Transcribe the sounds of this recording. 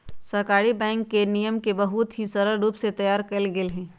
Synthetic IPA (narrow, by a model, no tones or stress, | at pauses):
sɐɦkaːɾibɛ̃ːŋkːenijəmkebɐɦʊt̪ɦĩsɐɾəɾɾuːpset̪ɐjaːɾkɐlɡɪlɦɛ̃ː